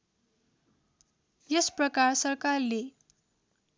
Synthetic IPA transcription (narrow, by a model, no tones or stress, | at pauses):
jesprʌkarsʌrkarle